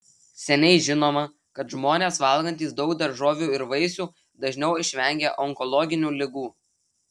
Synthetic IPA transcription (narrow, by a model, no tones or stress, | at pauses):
sʲɛnʲɛɪʒʲɪnoːmɐ | kɐt̪ʒmoːnʲeːsʋɐlˠɡɐnʲt̪ʲiːsd̪ɒʊk̚d̪ɐɾʒoːʋʲuːɪɾʋɐɪsʲuː | d̪ɐʒʲnʲɛʊɪʃʲʋʲɛŋʲɡʲɛʔɔŋkɔlˠɔɡʲɪnʲuːlʲɪɡuː